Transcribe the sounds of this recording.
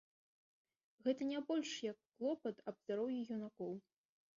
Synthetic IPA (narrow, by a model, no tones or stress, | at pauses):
ɣɛt̪ɐnʲabɔlʲʂjɐkːlˠɔpɐt̪ɐbzd̪aɾɔwjijunakɔw